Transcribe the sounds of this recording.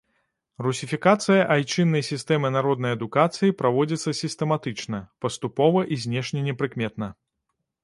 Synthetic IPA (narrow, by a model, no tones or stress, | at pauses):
rusʲifʲikat̪sɨjɐʔajt͡ʂɨnːɐjsʲist̪ɛmɨnaɾɔd̪̚nɐjɐd̪ukat̪sɨjipɾavɔd͡zʲit̪sːɐsʲist̪ɛmat̪ɨt͡ʂnɐpɐst̪upɔvɐʔizʲnʲɛʂnʲɛnʲɛpɾɨkmʲɛt̪nɐ